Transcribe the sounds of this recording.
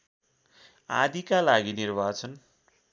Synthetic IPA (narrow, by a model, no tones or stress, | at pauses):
a̰d̪ikalaɡinirbʱat͡sʰʌn